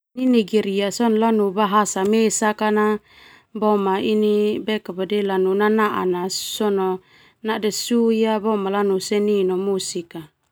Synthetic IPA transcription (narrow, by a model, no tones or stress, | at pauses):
niniɡiɾiasɔnɔlanubaɦasamesakana | bɔmainibɛkapadɛlanunanaʔa̰nasɔnɔ | nadɛsujabɔmalanusɛninɔmusika